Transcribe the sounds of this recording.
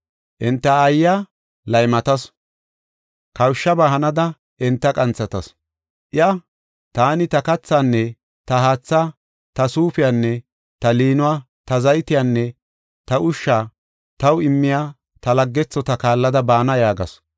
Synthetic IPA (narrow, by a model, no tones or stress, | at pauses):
ʔɪnt̪ːɐːjːaː | lɐjmɐt̪ɐs | kɐwʃːɐbaːhɐnɐd̪ɐ | ʔɪnt̪ːɐkʼɐnt͡sːɐt̪ɐs | ʔɪɐ | t̪aːnɪt̪ɐkɐt͡sːaːnːɛ | t̪ɐɦaːt͡sːaː | t̪ɐsuːfɪjaːnːɛ | t̪ɐliːnʊwaː | t̪ɐzɐjt̪ɪjaːnːɛ | t̪ɐʔʊʃːaː | t̪ɐwɪmːɪjaː | t̪ɐlɐɡːɛt͡sːɔt̪ɐkaːlːɐd̪ɐbaːnɐjaːɡɐ̰s